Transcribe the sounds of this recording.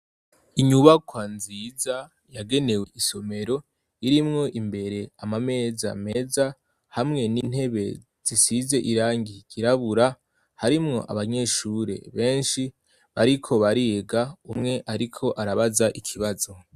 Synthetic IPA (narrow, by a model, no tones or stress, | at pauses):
iɲuβakwanziːza | jaɡe̞ne̞we̞ʔiso̞me̞ɾo̞ | iɾimŋo̞ʔimbe̞ɾe̞amame̞ːza̰me̞ːza | hamŋe̞nin̥he̞βe̞ | z̥isize̞ʔiɾaːŋɡiɟ̥iɾaβuɾa | haɾimŋo̞̰ʔa̰βaɲe̞ːʃuɾe̞̰βe̞ːnʃi | βaɾikʰo̞βaɾieɡaumŋe̞ʔaɾikʰo̞ʔaɾaβazaʔikʰiβazo̞